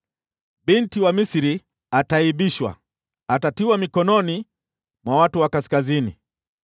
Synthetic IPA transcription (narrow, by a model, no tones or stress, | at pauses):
bintiwamisiɾi | ataiɓiʃwa̰ | atatiwamikɔnɔni | mwawatuwakaskazinḭ